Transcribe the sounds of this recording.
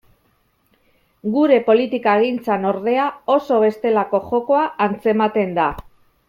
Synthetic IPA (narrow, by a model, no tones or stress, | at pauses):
ɡuɾe̞po̞lit̪ikaeɣint͡sano̞ɾð̞e̞ao̞so̞β̞e̞st̪e̞lako̞ʝo̞ko̞aːnt͡se̞mat̪e̞nd̪a